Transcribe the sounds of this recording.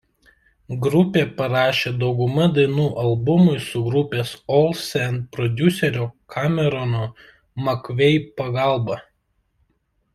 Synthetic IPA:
ɡɾʊpʲeːpɐɾɑːʃʲeːd̪ɒʊɡʊmɐd̪ɐɪnuːʔɐlˠbʊmʊɪsʊɡɾʊpʲeːsɔlˠsʲɛn̚pɾɔd̪ʲʊsʲɛɾʲoːkʰaːmʲɛɾɔnoː | mɐkʋʲɛɪpɐɡɑˑlˠbɑ

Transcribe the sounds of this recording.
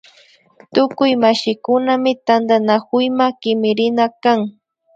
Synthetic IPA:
t̪ʊkʊjmaʃɪkʊnamɪt̪and̪anakʊjmakɪmɪɾɪnakaŋ

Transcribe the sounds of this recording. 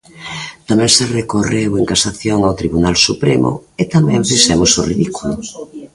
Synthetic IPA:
t̪amɛ̃ŋserekoreweŋkasaθjoŋawt̪ɾiβunalsupɾemʊ̰et̪amɛ̃ɱfisɛmoso̰riðikulʊ

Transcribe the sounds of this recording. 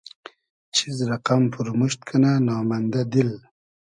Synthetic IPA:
t͡ʃʰizɾaqamfuɾmuʃt̪̚kʰananɑːmand̪ad̪il

